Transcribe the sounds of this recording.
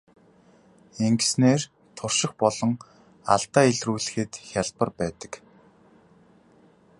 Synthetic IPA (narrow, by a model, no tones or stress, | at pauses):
eŋɡsneːr | t̪ʰʊrʃɪ̆xpɔɮɞ̆ŋ | a̰ɮt̪aːiɮruːɮɘ̆xɘ̆t̪xʲjaɮpə̆rpæːt̪ə̥̆k